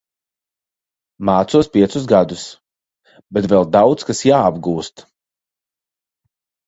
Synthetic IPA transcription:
maːt̪suɔspʲiɛt̪sus̬ɡad̪us | bɛt̪vɛlˠd̪awt̪skasjaːabɡuːst̪

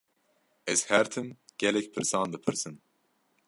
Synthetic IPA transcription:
ɛz̥hæɾt̪ʰɨnɡ̥ʲɛlɛkʲpʰɨɾsɑːnd̪ɨpʰɨɾsɨn

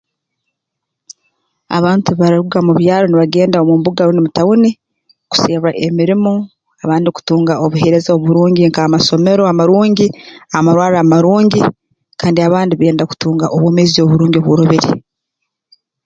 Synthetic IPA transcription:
a̰βaːntuβaɾiɾuɡamuβjaːɾo̞niβaɡe̞ːndaomumbuɡaɾonimutawuni | ku̥seːβaʔemiɾimo | aβaːndiku̥tuːŋɡaʔoβuhe̞ɾe̞zaoβuɾuːɲɟiŋkaamaso̞me̞ɾo̞amaɾuːɲɟiaamaɾwaːɾaːmaɾuːɲɟi | kʰaːndiaβaːndiβeːndaku̥tuːŋɡaʔoβwoːmezio̞βuɾuːɲɟioβwoɾoβeɾḛ

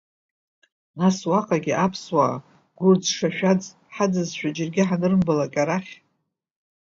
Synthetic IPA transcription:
naswaqʼaɡʲiʔapʰswa̰ː | ɡʷʊrd͡zʂaʃᶣad͡zʼ | ħad͡zɨzʃᶣad͡ʒɪrɡʲɪħanɨrmbalakʲʼaɾaχʲ

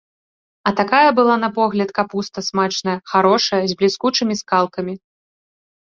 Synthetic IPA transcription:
ɐt̪akajɐbɨlˠanɐpɔɣlʲɐt̪kapust̪ɐsmat͡ʂnɐjɐxaɾɔʂɐjɐzʲblʲiskut͡ʂɨmʲiskalˠkɐmʲi

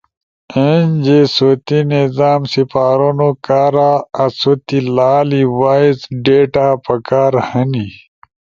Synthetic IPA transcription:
end͡ʑesot̪inizaːmsifaːɾonokaːɾaɐsot̪ilaːliwaːizɖeːʈaːpɐkaːɾhɐni

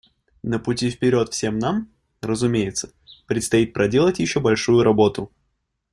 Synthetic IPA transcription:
nəpʊtʲifpʲɪɾʲo̞t̪fsʲe̞mnam | rəzʊmʲejɪt̪sə̥ | pɾʲɪt̪st̪ɐit̪̚pɾʔɐdʲe̞lˠətʲjɪɕːo̞bɐlʲʂujʊɾɐbo̞t̪ʊ

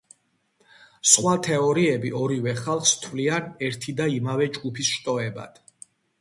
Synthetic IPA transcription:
sχwat̪ʰɛɔɾiɛbiʔɔɾivɛχalˠχst̪ʰvlianɛɾt̪ʰid̪aimavɛd͡ʒɡupʰisʃt̪ʼɔɛba̰d̪̥

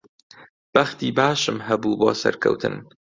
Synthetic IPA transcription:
b̥ɐxt̪iːbaːʃɨmɦɐbuːbo̰ːsɐ̰ɾkʰɐ̰wt̪ʰɨ̰n

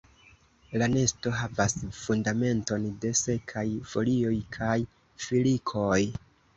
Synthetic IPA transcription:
lane̞sto̞ɦavasfundame̞nto̞nde̞se̞kʰajfo̞lio̞jkʰaj | filikʰoj

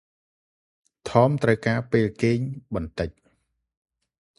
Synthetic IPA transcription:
t̪ʰɑːmt̪rəwkaːpeːlkeːɲɓɑnt̪ɨc̚

